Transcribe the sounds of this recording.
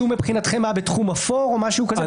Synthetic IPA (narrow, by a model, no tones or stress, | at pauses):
umepχinat̪χe̞mːabet̪χumafoʁo̞maʃuukaz